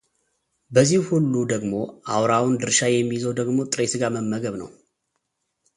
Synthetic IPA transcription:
bəzːihhulːud̪əɡmo̞ʔawɾawund̪ɨɾʃajɛmːijzəwd̪əɡmo̞t̪ʼɨɾesɨɡaməmːəɡəβnə̰w

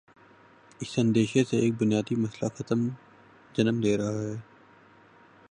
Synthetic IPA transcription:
ɪsɐ̃nd̪eːʃeseeːk̚bʊnijaːd̪imɐslaxɐt̪əm | d͡ʒɐnəmd̪eːɾɐɦaɦɛː

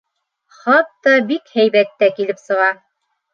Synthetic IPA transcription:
χɑt̪ːɑbikhæjβæt̪ːækilɘpsɤ̆ʁɑ

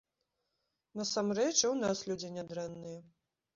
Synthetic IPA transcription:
nɐsamɾɛt͡ʂiwnaslʲud͡zʲinʲad̪ɾɛnːɨjɐ

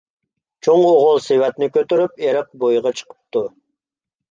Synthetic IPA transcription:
t͡ʃʰoŋoʁʊlˠsewɛt̪nɪkʲøt̪yɾypeɾəq̚bojʁɑt͡ʃʰə̥qə̥p̚t̪u

